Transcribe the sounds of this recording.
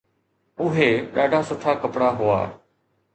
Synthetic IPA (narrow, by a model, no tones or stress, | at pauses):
ʊɦeɗaːɖʱasʊʈʰakəpɽaɦʊa̰ː